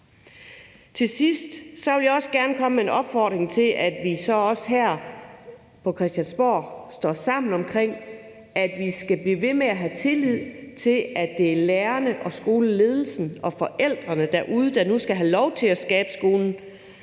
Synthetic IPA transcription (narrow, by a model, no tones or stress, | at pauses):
t͡sʰe̝sisd̥sɒ̽ʋe̝ljɑɒ̽səɡ̥æɐnəkʰɒ̽məe̝nɒ̽b̥fɒd̥ʁeŋt͡sʰe̝lʔæd̥ʋisɒ̽ɒ̽sɦæɐ̰ | pʰɒ̽kʰʁɛsd̥jænsb̥ɒ̰ːsd̥ɒ̰ːsɑ̈m̰n̩ɒ̽mkʰʁeŋ̰ | æd̥ʋisɡ̥æb̥liːʋe̝meæɦæt͡sʰe̝lið̞̰ˠt͡sʰe̝læd̥e̝æleːɐnəʔɒ̽sɡ̥o̝ːləle̝ːð̞ˠl̩sn̩ɒ̽fɒ̽ʔel̰d̥ʁɐnəd̥æɐʔuð̞ˠəd̥ɑ̈nusɡ̥æɦælɒʊt͡sʰe̝læsɡ̥ɛːb̥əsɡ̥o̝ːln̩